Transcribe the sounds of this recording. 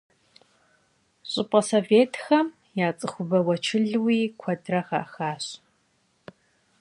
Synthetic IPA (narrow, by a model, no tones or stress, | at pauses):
ɕʼɪpʼɐsoːveːtʰxɐm | jaːt͡sʼɨxʷʊbɐwɐt͡ʃʰɪɮwiːkʷʰɐdrɐxa̰xaːɕ